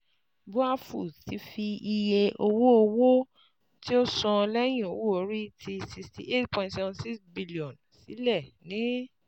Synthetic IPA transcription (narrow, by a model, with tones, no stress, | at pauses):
bu˦a˦fu˦˨ti˨˦fi˧i˧je˧ʔo˧wo˦o˧wo˦ | ti˦o˦sɔ̃˧lɛ˦j̃ĩ˦˨o˨wo˦o˨˧˦ɾi˦tʰi˧si˧kstḭ˨ʔe˦tpɔ̃˧˨˧tsɛ˦vɔ̃˧nsi˦ksbi˦li˨ɔ̃˨n | si˨˦lɛ˦˨nĩ˨˦